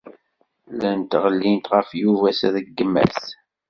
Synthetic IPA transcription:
lænt̪ʁəlːint̪ʁəfjuvæsæðəɡːəmːæ̰s

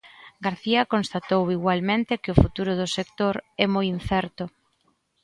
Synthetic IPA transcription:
ɡaɾθiɐkonst̪at̪owiɣwalmẽnt̪ɪkɪʊfut̪uɾʊðʊsekt̪oɾɛmojin̟θɛɾt̪ʊ

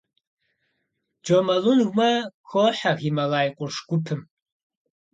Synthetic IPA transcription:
d͡ʒomɐlunɣʷmɐxʰʷoħaɣimɐlaːjqʷʼʊrʂɡ̥ʷʊpʰɨm

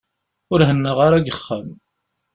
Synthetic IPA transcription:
ʊɾɦənːəʁaɾaɡəχːəm

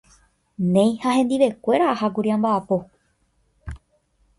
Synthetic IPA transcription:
nẽ̞j̃haɦẽ̞nd̪iʋe̞kʷe̞ɾaahakuɾiãmbaːpo̞

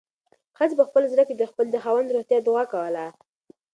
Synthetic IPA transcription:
xat͡sbəxpəlzɾəked̪əxpəld̪əxawand̪ɾoxt̪jɑd̪ʊɣakawəla

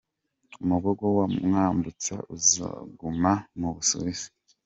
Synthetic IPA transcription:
umuɡoɡowamŋaːmbut͡sa̰ʔuza̰ɡumamuβusṵβisi̥

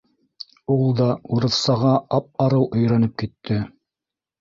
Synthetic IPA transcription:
ulˠd̪ɑuɾɤ̆θsɑʁɑɑp̚ɑɾɤwʔɵ̆jɾɑnɤp̚kit̪ːɘ

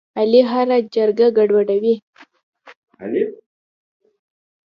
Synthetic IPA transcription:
aliɦaɾad͡ʒaɾɡaɡaɖwaɖawi | l

